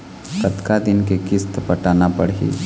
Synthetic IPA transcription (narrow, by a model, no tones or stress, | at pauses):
kət̪kad̪ɪnkekɪst̪pəʈanapəɽɦḭː